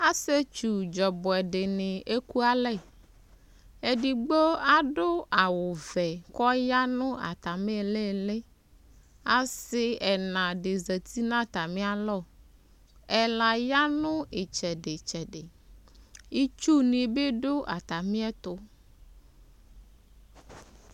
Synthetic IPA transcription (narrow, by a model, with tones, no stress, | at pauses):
a˦se˦t͡ʃu˨d͡ʒɔ˨bɔ˨ɛ˨ɖe˨nɪ̃˨ʔe˦ku˦a˦lɛ˦˨ | e˨ɖi˨ɡ͡bo˦a˦ɖo˦a˨wo˨vɛ˨kɔ˦ja˦nʊ̃˦a̰˨t̪a˨mẽ˦˨le˦˨le˦ | a˦sɪ˦ɛ˨nã˨ɖe˨ze˨t̪i˦nã˦t̪a˨mĩ˦a˨lɔ˦˨ | ɛ˨la˨ja˦nʊ̃˦e˨t͡ʃɛ˨ɖe˨t͡ʃɛ˨ɖe˨ | i˦t͡ʃu˦nĩ˨be˦ɖo˦ʔa̰˨t̪a˨mĩ˦ɛ˦t̪ʊ˦